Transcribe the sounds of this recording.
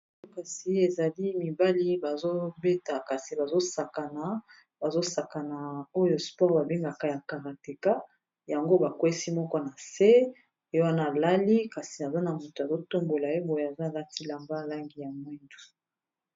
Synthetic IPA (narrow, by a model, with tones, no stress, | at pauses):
ka˨si˨e˨za˨li˦mi˨ba˦li˦ba˨zo˦be˦ta˨ka˨si˨ba˨zo˦sa˨ka˨na˨ | ba˨zo˦sa˨ka˨na˨o˦jo˨spɔ˦ʁba˨be˦ŋɡa˨ka˨ja˨ka˨ʁa˨te˨ka˦ | ja˨ŋɡo˦ba˨kwe˦si˦mɔ˦kɔ˦na˨se˦ | e˨˦o˦wa˦na˦˨la˦li˦ka˨si˨na˨za˦na˨mu˨to˨a˨zo˦to˦mɡo˨la˨e˦bɔ˨ja˨za˦˨la˦ti˦la˨mba˦˨la˦ŋɡi˨ja˨mwɛ˦ndu˨